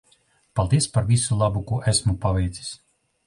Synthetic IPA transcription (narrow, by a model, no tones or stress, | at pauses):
palˠd̪iɛspaɾvʲisulˠabukuɔʔæsmupavʲɛjt̪sʲi̥sʲ